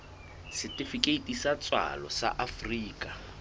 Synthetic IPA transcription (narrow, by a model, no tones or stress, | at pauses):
sɪtʼifikʼeitʼisat͡sʼwa̰lɔ̰sa̰ʔafriːkʼa